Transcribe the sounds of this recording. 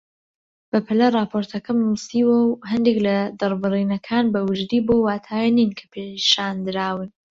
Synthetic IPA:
b̥ɐpʰɨlɐrˤɑːpʰoːɾt̪ʰɐkɐmnusiːwɐwɦɐnd̪eklɐd̪ɨɾbɨriːnɐkʰaːnbɐwɨd͡ʒd̪iːbowaːt̪ʰaːjɛninkʰɐ̥pʰeʃaːnd̪ɨɾaːwɨn

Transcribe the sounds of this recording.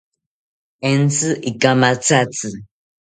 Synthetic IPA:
ɛn̩t͡sɨʔikamat͡sat͡sɨ

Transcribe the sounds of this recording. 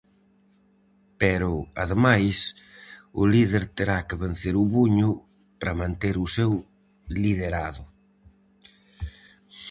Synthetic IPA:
pɛɾʊa̰ðemajs | ʊliðeɾt̪eɾakeβen̟θeɾʊβuɲʊ | pɾamãnt̪eɾʊsew | liðeɾaðʊ

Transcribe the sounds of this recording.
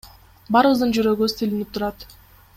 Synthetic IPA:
bɑɾɯβɯzd̪ɯnd͡ʒyɾø̞ɡyst̪ʰilinip̚t̪ʰuɾɑt̪

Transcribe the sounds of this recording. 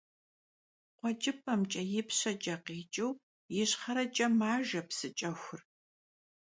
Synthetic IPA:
qʷɔd͡ʒʼɪpʰʼɐmt͡ʃʼɐjɪpʰɕɐt͡ʃʼɐqiːt͡ʃʼɨw | jɪɕχɐɾɐt͡ʃʼɐmaːʒɐpsɨt͡ʃʼɐxʷʊr

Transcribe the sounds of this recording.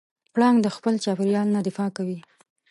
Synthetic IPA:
pɽɑŋɡd̪əxpəlt͡ʃɑpɪɾjɑlnad̪ɪfɑkawi

